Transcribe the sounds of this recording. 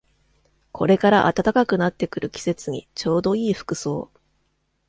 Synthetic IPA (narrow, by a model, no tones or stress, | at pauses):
kʰo̞̰ɾe̞kaɾaʔa̰t̪at̪akakɯ̟nat̪ːe̞kɯ̟ɾɯ̟kʲi̥se̞t͡sɨɲ̟ḭt͡ɕo̞ːd̪o̞iːɸɯ̥kɯ̟so̞̰ː